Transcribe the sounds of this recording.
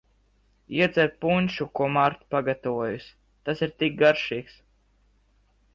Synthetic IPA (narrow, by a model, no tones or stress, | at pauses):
iɛd̪zɛɾt̪̚punʲʃukuɔmaɾt̪paɡat̪avuɔjus | t̪asiɾt̪ik̚ɡaɾʃiːks